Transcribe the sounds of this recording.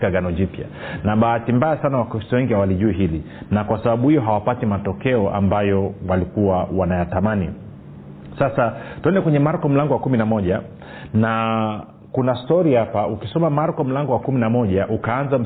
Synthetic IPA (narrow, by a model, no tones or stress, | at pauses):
aɡanɔd͡ʒipja̰naɓaatimbajasanawakuisɔwɛŋɡihawaliʄuiɦili | nakwasaɓaɓuhijɔɦawapatimatɔkɛɔʔa̰mbajɔwalikuwawanajatamanḭ | sasatuɛndɛkwɛɲɛmaɾkɔm̩laŋɡɔwakuminamɔʄa | na | kunastɔɾihapaukisɔmamaɾkɔm̩laŋɡɔwakuminamɔʄaʔukaanzam̩